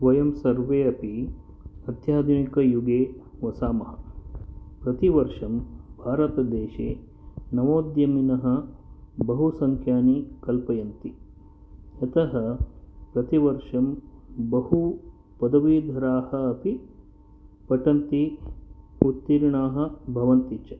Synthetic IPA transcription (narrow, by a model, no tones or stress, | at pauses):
ʋɐjɐmsɐɾʋeːɐpi | ɐd̪jaːd̪ɐnikɐjuɡeːʋɐsaːmɐɦɐ | pɾɐt̪iʋɐɾʂɐmbʱaːɾɐt̪ɐd̪eːʃḛː | nɐʋoːd̪jɐminɐɦɐ̆bɐɦusɐŋkʰjaːnikɐlpɐjɐnt̪i | ɐt̪ɐɦɐpɾɐt̪iʋɐɾʂɐmbɐɦu | pɐd̪ɐʋiːd̪ʱɐɾaːhɐːpi | pɐʈɐnt̪i | ut̪ːiɾɳaːɦɐ̆bʱɐʋɐnt̪it͡ʃɐ